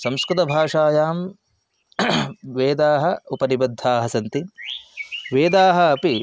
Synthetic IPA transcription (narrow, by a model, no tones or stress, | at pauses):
sɐmskɾut̪ɐbʱaːʂaːjaːm | ʋeːd̪aːɦɐ̆upɐnibɐd̪ʱːaːɦɐsɐnt̪i | ʋeːd̪aːɦɐːpi